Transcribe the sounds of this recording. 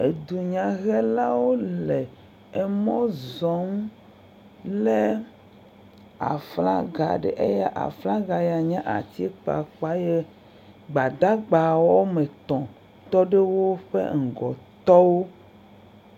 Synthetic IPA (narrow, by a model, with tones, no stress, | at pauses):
e˨d̪u˨ɲã˨ɣɛ˦la˦wo˦le˨ | ɛ˨mɔ̃˦zɔ˨˦ŋ˦ | le˦ | a̰˨fla̰˦ɡa̰˨ɖḛ˨ʔe˦jɛ˦ʔa̰˨fla˦ɡa˨ja˨ɲã˦ʔa̰˨t̪i˦k͡pa̰˨k͡pa˦je˦ | ɡ͡ba˨d̪a˦ɡ͡ba˨wɔ˦me˨t̪ɔ̃˨ | t̪ɔ˦ɖe˦wo˦ɸḛ˦ŋ̩˨ɡɔ˨t̪ɔ˦wo˦